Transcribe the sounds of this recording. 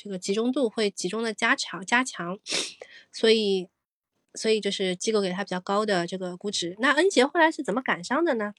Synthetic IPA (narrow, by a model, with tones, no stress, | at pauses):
ʈ͡ʂɤ˥˩ɡə˩t͡ɕi˧˥ʈ͡ʂʊ˥ŋt̪u˥˧xwe˥˩ɪt͡ɕi˧˥ʈ͡ʂʊ˥ŋd̪ə˨˩t͡ɕja˥t͡ɕʰɑ˧˥ŋt͡ɕja˥t͡ɕʰjɑ˧˥ŋ | swɔ˧˥i˨˩ | swɔ˧˥i˨˩t͡ɕjo˥˧ʊʂɻ̩˥˩t͡ɕi˥kke˨˩ɪa˥pi˨˩t͡ɕɑ˥˩ʊkɑ˥ʊd̪ə˨ʈ͡ʂɤ˥˩ɡə˩ku˧˥ʈ͡ʂɻ̩˧˥na˥˩ə˥nɕjɛ˧˥xo˥˩la˧˥ʂɻ̩˥˩t͡sə˨˩nmə˦ka˨˩nʂɑ˥ŋd̪ə˨nə˩